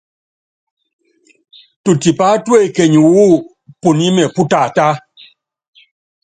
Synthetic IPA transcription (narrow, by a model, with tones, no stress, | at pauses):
tu˨ti˨pa˦twe˦˨kɛ˨ɲu˨wu˦ | pu˨ni˦mɛ˨pu˦ta˨ta˦